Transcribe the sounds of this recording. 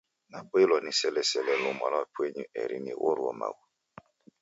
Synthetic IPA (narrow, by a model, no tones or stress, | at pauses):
nak͡plɔnisɛlɛsɛlɛluma̰lɔpueɲuʔɛ̰ɾḭniwo̰ɾuɔ̰ma̰ɡu